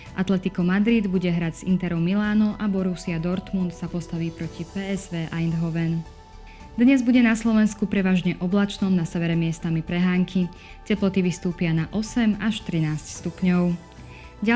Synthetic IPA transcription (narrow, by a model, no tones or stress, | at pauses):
ʔat̪lɛt̪ikɔmad̪ɾid̪buɟɛɦɾaɟz̥int̪ɛɾɔʊmilaːnɔʔabɔɾusiad̪ɔɾt̪munt̪sapɔst̪aʋiːpɾɔcipɛːɛzʋɛːʔaind̪ɦɔʋɛn | d̪ɲɛzbuɟɛnaslɔʋɛnskupɾɛʋaːʒɲɛʔɔblat͡ʃnɔmnasɛʋɛɾɛmɪɛst̪amipɾɛɦaːŋkʰi | cɛplɔt̪iʋist̪uːpɪanaʔɔsɛmaʃt̪ɾinaːscst̪upɲɔʊ | ɟa